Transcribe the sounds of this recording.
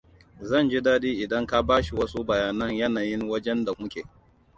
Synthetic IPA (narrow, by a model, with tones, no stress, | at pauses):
zɐ˦˨nd͡ʒi˦daː˦diː˦ʔɪ˨dɐ˦ŋka˦baː˦ʃi˨wɐ˦su˦bɐ˨jaː˨nɐ˦ɲjɐ˦naː˨jɪ˦ŋwɐ˦d͡ʒɛ˦nda˨mʊ˦kʲeː˨